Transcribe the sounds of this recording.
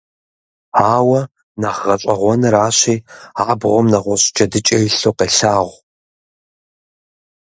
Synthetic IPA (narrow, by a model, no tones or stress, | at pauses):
aːwɐ | naːʁʁɐɕʼɐʁʷɔnɐɾaːɕiːaːbʁʷɔmnɐʁʷɔɕʼd͡ʒʼɐdɨt͡ʃʼɐjɪɬoːqeːɬaːʁʷ